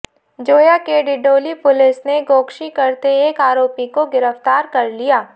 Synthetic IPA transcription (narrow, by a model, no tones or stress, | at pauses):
d͡ʒoːjakeɖɪɖoːlipʊlɪsneɡoːkʃikɐɾt̪eeːkaːɾoːpikoɡɪɾəft̪aːɾkɐɾlijaː